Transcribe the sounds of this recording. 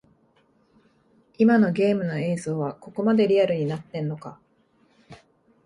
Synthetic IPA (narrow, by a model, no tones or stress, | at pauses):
imano̞ɡʲe̞ːmɯ̟no̞e̞ːzo̞ːβako̞ko̞mad̪e̞ɾʲiaɾɯɲ̟inat̪ːẽ̞nːo̞ka̰